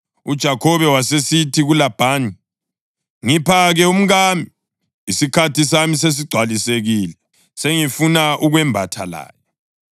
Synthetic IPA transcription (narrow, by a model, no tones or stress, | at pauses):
ud̥ʒ̥ʱakʰɔβɛwasesitʰiɣulab̥ʱaːni | ŋipʰaɣɛum̩ɣamiː | sikʰatis̬amis̬es̬iɡ͡ǀʱwaliseɣilɛ | seŋifunaʔuɣwɛmbʱatʰa̰la̰ːjɔ